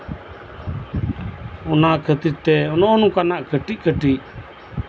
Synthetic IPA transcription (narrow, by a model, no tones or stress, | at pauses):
ɔnakʰət̪it̪ɛɔnɔʔɔnukanaʔkəʈiʔ̚kəʈiʔ